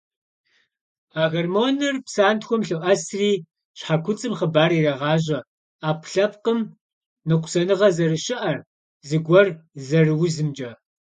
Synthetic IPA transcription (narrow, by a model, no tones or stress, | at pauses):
aːɣɐrmoːnɨrpsaːntxʷɔmɬɨwʔɐsriː | ɕħakʷʰʊt͡sʼɨmχɐbaːɾiːrɐʁɑːʑɐ | aːpʰɬɐp̚qəm | nɨqʷʊ̥sɐnɨʁɐzɐrɨɕɪʔɐr | zɨɡʷɔrzɐrɨwzɨmd͡ʒʼɐ